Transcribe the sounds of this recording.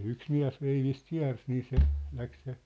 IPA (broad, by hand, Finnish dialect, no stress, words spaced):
yks miæ̝s ʋeiʋist kiæ̝rs niː se læk se